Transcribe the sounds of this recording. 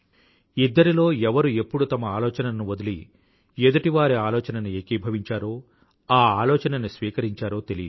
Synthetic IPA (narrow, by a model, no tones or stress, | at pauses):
id̪ːɐɾilo̞ːɛʋɐɾue̞pːuɽut̪ɐmɐaːlɔːt͡ʃɐnɐnuʋod̪ɐlḭ | ed̪ɐʈiʋaːɾiaːlɔːt͡ʃɐnɐnuekibʱɐʋiɲt͡ʃaːɾo̞ː | aːaːlɔːt͡ʃɐnɐnisʋiːkɐɾiɲt͡ʃaːɾo̞ːt̪elijd̪